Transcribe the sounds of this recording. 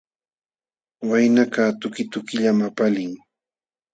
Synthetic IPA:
wajnakaːt̪ʊkɪt̪ʊkɪʎamapalɪŋ

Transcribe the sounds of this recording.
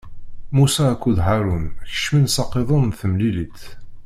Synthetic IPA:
musæːkʷːud̪ɦaɾˤunçə̥ʃminsɑqːeðˤonθəmlilit̪

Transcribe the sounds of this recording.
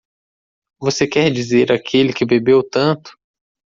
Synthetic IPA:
vosekɛɾd͡ʒizeɾakʰelɪkɪbebewt̪ɐ̃t̪ʊ̥

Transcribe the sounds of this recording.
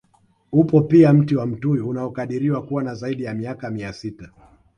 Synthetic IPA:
upɔpiam̩tiwam̩tujuunaɔkaɗiɾiwakuwanazaiɗijamiakamiasita

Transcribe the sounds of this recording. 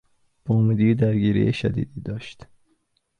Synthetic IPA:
b̥omid̪iːd̪æɾɡiːɾḭjeʃæ̰d̪ḭːd̪iːd̪ɒːʃt̪

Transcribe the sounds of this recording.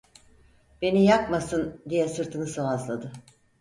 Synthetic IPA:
b̥e̞nijakmasɯnd̪ijɛsɯɾt̪ʰɯnɯsavazlˠad̪ɯ

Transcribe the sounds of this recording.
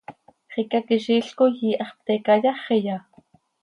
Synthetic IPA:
χikɑkiʃiːɬkojiːʔɑχp̚t̪ekɑjɑχijɑ

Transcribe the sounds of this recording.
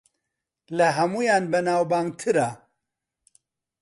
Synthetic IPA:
lɐɦɐmuːjanbɐnaːwbaːŋɡt̪ʰɨɾa

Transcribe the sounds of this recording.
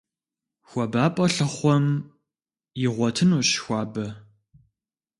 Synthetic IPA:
xʷɔbaːpʼɔɬɨχʷɔm | jɪʁʷɔtʰɨnuːɕxʷɑːbɐ

